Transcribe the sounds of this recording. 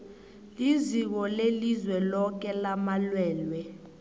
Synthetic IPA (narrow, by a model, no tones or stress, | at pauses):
lizik̬ɔlelizwɛlɔk̬ɛlamalwɛːlwɛ